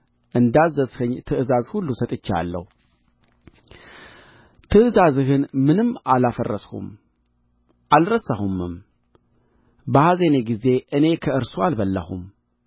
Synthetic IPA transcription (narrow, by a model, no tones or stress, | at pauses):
ʔɨnd̪azːəzhɨɲt̪ʰɨʔɨzazhulːusət̪ʼɨt͡ʃːa̰lːə̰hu | t̪ʰɨʔɨzazɦɨnmɨnɨmːalafərːəshṵm | ʔalɾəsəhumɨm | bəhazeneɡize̞ʔɨne̞kʰəɨɾsualbəlːə̰hṵm